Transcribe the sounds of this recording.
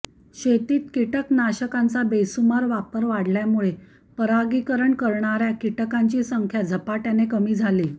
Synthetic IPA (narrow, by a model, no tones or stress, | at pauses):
ɕet̪iːt̪kiʈəknaɕəkãnt͡sabesumaɾʋapəɾʋaɽljamuɭe | pəɾaɡiːkəɾəɳkəɾɳaɾjakiʈəkaɲt͡ɕiːsəŋkʰjad͡zʱəpaʈjanekəmiːd͡zʱaliː